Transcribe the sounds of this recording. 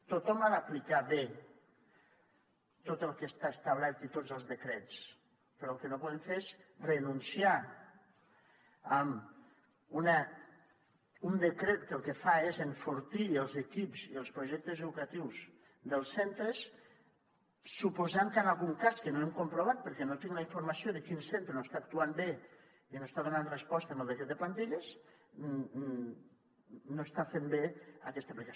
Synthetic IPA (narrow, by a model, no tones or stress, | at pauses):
t̪ot̪ɔmaðəplikaβe | t̪ot̪əlˠkest̪aest̪aβɛɾt̪it̪od͡zəlˠzðəkɾet͡s | pəɾɔəlˠkənopɔðəɱfeɾezrənunsia | əm | unə | und̪əkɾet̪̚əlˠkefaezeɱfuɾt̪iəlˠzekipz̥iəlˠspɾuʒɛk̚t̪əzəðukat̪iwz | ðəlˠsent̪ɾəs | upozaŋknalˠɣuŋkaskənoemkumpɾoβ̞at̪̚pəɾkɛnot̪iŋɡlaiɱfuɾmasioðəkinsent̪ɾenost̪ak̚t̪uambe | inoest̪aðunanrespɔst̪əməlˠd̪ekɾɛt̪d̪əpant̪iʎəz | noest̪afembeakɛst̪əplika